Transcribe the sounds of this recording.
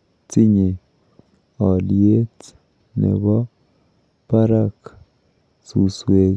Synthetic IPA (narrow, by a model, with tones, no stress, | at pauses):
t͡si˦ɲe˨ | ɔ˨lie˦t͡s | nḛ˨βɔ˦ | pa˦ɾak | su˨swe˦